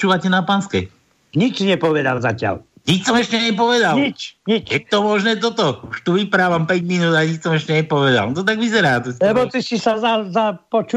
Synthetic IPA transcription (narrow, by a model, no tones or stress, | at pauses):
t͡ʃuːʋacɛnapaːnskɛ | ɲit͡ʃɲɛpɔʋɛd̪a̰lzacɪa̰l | ɲicsɔmɛʃcɛɲɛpɔʋɛd̪alit͡ʃɲit͡ʃjɛt̪ɔmɔʒnɛːt̪̬ɔt̪ɔuʃt̪uʋipɾaːʋampɛɟminuːd̪aɲicsɔmɛʃcɛɲɛpɔʋɛd̪a̰lt̪ɔt̪̬aɡʋizɛɾaːt̪lɛbɔt̪isisazazapɔt͡ʃu